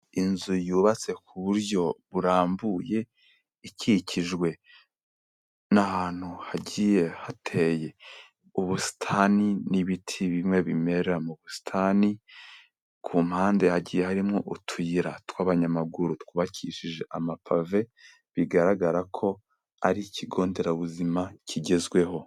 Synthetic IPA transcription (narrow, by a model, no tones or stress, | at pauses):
inzujuːβat͡se̞kʰuβuɾjo̞βuɾaːmbuje̞ | iciciʒɡwe̞ | nahaːn̥huhaɟije̞hatʰe̞je̞ | uβusi̥tʰaːniniβitʰiβimŋe̞βime̞ɾeɾamuβusi̥tʰaːni | kʰuːmhaːnde̞haɟiːje̞haɾimŋo̞ʔutʰujiɾatwaβaɲamaɡuɾutkuβacʰiːʃiʒe̞ʔamapʰave̞ | βiɡaɾaɡaɾakʰo̞ | aɾiciɡo̞ːnde̞ɾaβuzimacʰiɟe̞zɡwe̞ho